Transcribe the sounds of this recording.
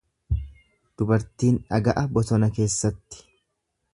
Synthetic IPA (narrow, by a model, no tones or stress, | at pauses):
d̪̥ʊbɐɾt̪iːnᶑɐɡɐʔɐbɔt̪ɔnɐke̞ːsːɐt̪ːɪ̥